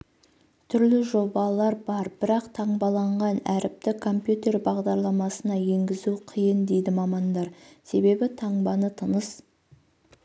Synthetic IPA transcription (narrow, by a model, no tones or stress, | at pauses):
t̪ʰʏɾlɪʒo̞bɑlˠɑɾbɑɾb̥ɪɾɑqt̪ʰɑɴbɑlˠɑɴʁɑnæɾɪp̚t̪ɪkʰo̞mpjut̪e̞rbɑʁd̪ɑɾlˠɑmɑsənɑje̞ŋɡʲɪzuqʰijənd̪e̞jd̪ɪmɑmɑnd̪ɑɾse̞be̞bɪt̪ʰɑɴbɑnət̪ʰənəs